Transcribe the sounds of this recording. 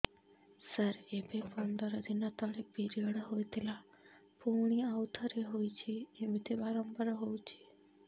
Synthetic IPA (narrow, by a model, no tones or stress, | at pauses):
səɾebepɔnd̪əɾəd̪inat̪ɔɽek̚biɾiəɽəɦojt̪ʰela | puɳ̃iaʋt̪ʰəɾeɦojt͡ʃʰeemit̪ʰebaɾɔmpəɾɦowt͡ʃʰe